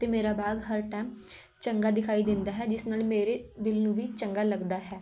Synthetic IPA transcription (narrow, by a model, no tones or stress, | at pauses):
t̪eːmeːɾaːbaːɡɦəɾʈaːm | t͡ʃəŋɡaːd̪ɪkʰaːid̪ɪ̃nd̪aːɦɛːd͡ʒɪsnaːlmeːɾeːd̪ɪlnũːʋiːt͡ʃəŋɡaːləɡd̪aːɦɛː